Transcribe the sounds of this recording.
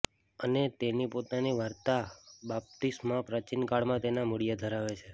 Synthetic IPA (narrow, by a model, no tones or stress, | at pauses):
ənet̪enipot̪aniʋaɾt̪abap̚t̪ismãpɾət͡ʃinkaɭmãt̪enamʊɽijad̪ʱəɾaʋet͡ʃʰe